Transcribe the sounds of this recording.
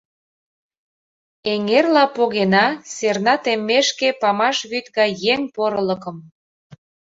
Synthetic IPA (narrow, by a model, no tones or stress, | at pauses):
eŋerlɑpoɣenɑsernɑt̪emːeʃkepɑmɑʃβyt̪ɣɑjːeŋpoɾə̆lə̆kə̆m